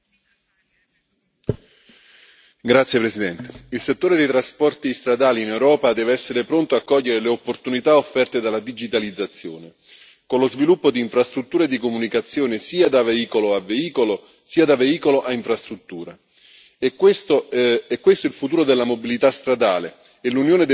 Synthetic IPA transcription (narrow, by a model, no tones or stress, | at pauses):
ɡɾat̪sjepɾesid̪ɛnt̪eilset̪ːoːɾed̪ejt̪ɾaspɔrt̪ist̪ɾad̪aːliːnewɾɔːpad̪ɛːveɛsːeɾepɾont̪oakːɔʎːeɾeleopːort̪unit̪aofːɛrt̪ed̪alːad̪id͡ʒit̪alid̪zːat̪sːjoːne | konlozvilupːod̪iːɱfɾast̪ɾut̪ːuːɾaed̪ːikomunikat̪sːjoːnesiːad̪aveiːkoloaveiːkolo | siːad̪aveiːkoloʔaiɱfɾast̪ɾut̪ːuːɾa | kest̪oɛkːwest̪oilfut̪uːɾod̪elːamobilit̪ast̪ɾad̪aːlḛ | elunjoːned̪